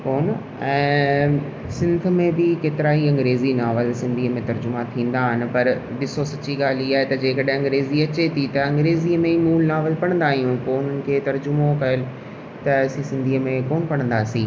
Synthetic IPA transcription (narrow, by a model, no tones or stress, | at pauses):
koːn | ɛ̃ː | sɪ̃nd̪̆ʱmẽbɪkeːt̪ɪɾaːɦiɐ̃ŋɡɾeːzinaːʋəlsɪ̃nd̪ʱiːəmẽt̪ɐɾd͡ʑʊmat̪ʰĩːn̆d̪aːɦɪnɪ̆pɐɾbɪsosɐt͡ɕiɡaːl̤iaːɦet̪ɐd͡ʑeːkɐɗ̃ɐ̃ŋɡɾeːziɐt͡ɕet̪ʰit̪ɐɐ̃ŋɡɾeːziəmẽmuːlnaːʋəlpɐɽ̃nd̪aːɦijũpoːʊn̤ənɪ̆kʰeːt̪ɐɾd͡ʑʊmokɐəlɪ | t̪ɐsĩsɪ̃nd̪ʱiːəmẽkoːnpɐɽ̃ə̃nd̪aːsĩː